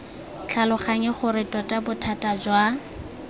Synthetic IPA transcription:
t͡ɬʰalʊχaŋɛχʊɾɪtʼɔtʼabʊtʰatʼad͡ʒwa

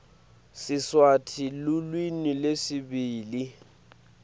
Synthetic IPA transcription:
sɪswatʰilʊlwinilesɪbiːli

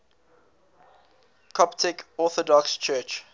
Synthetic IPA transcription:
kʰɔptʰɪkɔˑθɔdɔkst͡ʃʰɜːt͡ʃ

